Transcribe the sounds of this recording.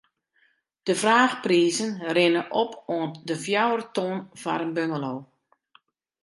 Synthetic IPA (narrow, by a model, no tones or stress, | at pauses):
d̥əvraːxpriːzənrɪnəʔɔpʰoəndəfjawərtoːnva̰ɾənbøŋəloː